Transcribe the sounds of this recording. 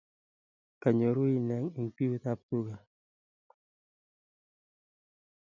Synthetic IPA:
ka˨ɲo˨ɾu˦i˦nɛ˨˦ŋi˨ŋpi˦wu˦t̪a˦p̚t̪u˦ɡa˨

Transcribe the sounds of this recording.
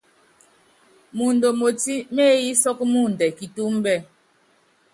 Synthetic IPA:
mu˨n˨do˨mo˨ti˦me˦ji˦sɔ˦kmu˦˨n̩˨dɛ˨ki˨tu˦m˦bɛ˦˨

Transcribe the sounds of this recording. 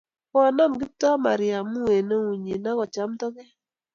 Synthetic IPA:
kɔ˦˨na˦˨mɡɪ˦p̚tɔ˦ma˨ɾɪ˨a˨mu˦e˨no˦u˨ɲi˨na˦kɔ˨t͡ʃa˦mtɔ˦kɛ˦

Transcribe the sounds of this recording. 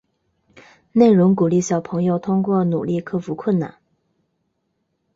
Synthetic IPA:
ne˥˩ɪɻʊ˧˥ŋku˨˩li˥˩ɕjɑ˨˩ʊpʰɤ˧˥ŋjo˥˧ʊt̪ʰʊ˥ŋkwɔ˥˩nu˨˩li˥˩kʰɤ˥fu˧˥kʰwə˥˩nna̰˨˩˦n

